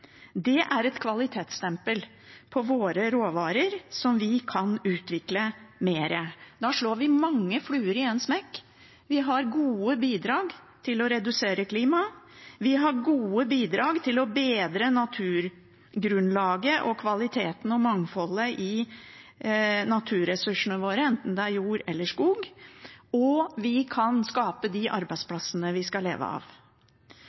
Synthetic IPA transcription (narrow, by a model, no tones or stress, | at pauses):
d̪ɛʔæɾɛt̪kʰʋɑlɪt̪ʰeːt̪st̪ɛmpəl | pʰɔʋoːɾəɾoːʋɑːɾəɾsɔmʋɪkʰɑnʉːt̪ʋɪkləmeːɾəd̪ɑʂɭoːɾʋɪmɑŋːəflʉːəɾɪɛnsmɛkː | ʋɪɦɑɾɡuːəbiːd̪ɾɑːɡt̪ʰɪlɔɾɛd̪ʉseːɾəkʰliːmɑʋɪɦɑɾɡuːəbiːd̪ɾɑːɡt̪ʰɪlɔbeːd̪ɾənɑt̪ʰʉːɾ | ɡɾʉnlɑːɡəʔɔkʰʋɑlɪt̪ʰeːt̪nɔmɑŋfɔlːəʔɪ | nɑt̪ʰʉːɾɛsʉʂənəʋoːɾəɛnt̪n̩d̪ɛæɾjuːɾɛlːəʂkuːɡ | ɔʋɪkʰɑnskɑːpəd̪ɪʔɑɾbæɪspʰlɑsənəʋɪskɑlḛːʋə̰ɑ̰ːʋ